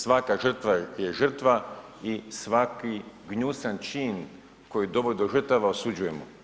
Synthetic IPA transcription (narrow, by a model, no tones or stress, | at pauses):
sʋakaʒər̩t̪ʋajeʒər̩t̪ʋaisʋakiɡɲusant͡ʃin | ko̞jid̪o̞bojd̪oʒr̩t̪aʋaosud͡ʑuje̞mo̰